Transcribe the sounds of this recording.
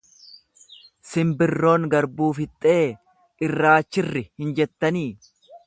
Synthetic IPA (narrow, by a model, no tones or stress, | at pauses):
sɪmbɪrːo̞ːŋɡɐɾbuːfɪt̪ʼːe̞ː | ʔɪrːaːt͡ʃːɪrːɪhɪnd͡ʒɛt̪ːɐniː